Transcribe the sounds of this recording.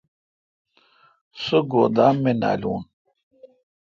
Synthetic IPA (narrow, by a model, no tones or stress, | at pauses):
soɡoːd̪aːmːena̰ːlṵːn